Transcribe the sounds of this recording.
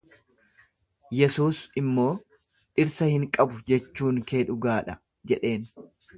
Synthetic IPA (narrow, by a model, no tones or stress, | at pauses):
jɛsuːsɪmːo̞ː | ʔɪɾsɐhɪŋkʼɐbʊd͡ʒɛt͡ʃːuːŋke̞ːᶑʊɡaːᶑɐ | d͡ʒɛᶑe̞ːn